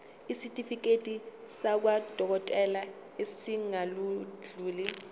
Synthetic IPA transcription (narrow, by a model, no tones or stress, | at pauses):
isitʼifik̬ʼetʼisak̬wad̥ʱɔk̬ɔtʼɛla | esiŋalud͡ɮuːli